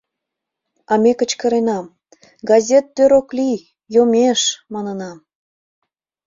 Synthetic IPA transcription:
ɑmekə̆t͡ɕkə̆ɾenɑm | ɡɑzʲet̪ːøɾokli | jomeʃmɑnə̆nɑm

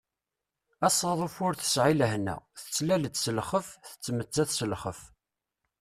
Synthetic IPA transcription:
æsˤɑðˤəfʊɾθə̥sʕiləhnæ̰θə̥t͡sːlælət͡sːsəlχəfθə̥t͡sːmət͡sːæθsəlχəf

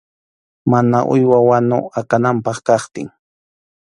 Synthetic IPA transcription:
mana̰ʔʊ̰jwawanʊ̰akanampɑχkɑχt̪ɪŋ

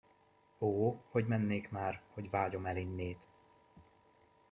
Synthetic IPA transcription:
oːho̞ɟmɛnːeːkmaːrho̞ɟvaːɟo̞mɛlinːeːt̪

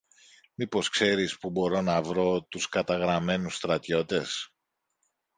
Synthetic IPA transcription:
mipo̞skse̞ɾispubo̞ɾo̞nɐvɾo̞t̪uskɐt̪ɐɣɾɐme̞nusst̪ɾɐt̪ço̞t̪e̞s

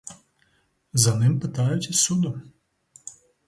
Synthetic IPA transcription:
zɐnɪmpɪt̪ɑjʊt͡sʲisʲud̪ʊ

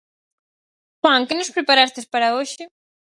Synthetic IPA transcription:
xwaŋkenospɾepaɾast̪espaɾaoʃi

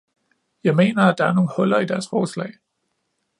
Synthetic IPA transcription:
jɑ̈ɪme̝̰ːnɐæd̥ɑ̈æɐno̝ːn̩hɔ̽l̰ɐid̥æɐsfɒːslɛ̰ːɪ

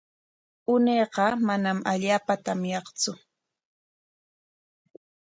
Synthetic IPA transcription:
ʊneːqɑmanamaʎaːpat̪amjɑχt͡sʊ

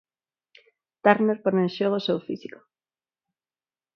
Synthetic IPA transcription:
t̪aɾneɾpoɾnẽnʃoɣosewfisiko̥

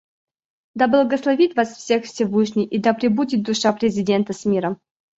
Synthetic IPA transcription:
d̪ɐblˠəɡəslˠɐvʲit̪vasfsʲexfsʲɪvɨʂnʲɪjʔid̪apɾʲɪbudʲɪt̪̚d̪ʊʂapɾʲɪzʲɪdʲe̞nt̪əsmʲiɾəm

